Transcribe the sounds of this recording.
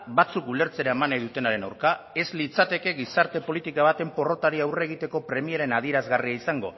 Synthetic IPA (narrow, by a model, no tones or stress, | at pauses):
bat͡sukule̞ɾt͡se̞ɾaemanajðut̪e̞naɾe̞nawɾkae̞zlit͡sat̪e̞ke̞ɣisaɾt̪e̞po̞lit̪ikaβ̞at̪e̞mpo̞ro̞t̪aɾiawre̞ɣ̞it̪e̞ko̞pɾe̞mieɾe̞nað̞ieɾazɣariaisaŋɡo̞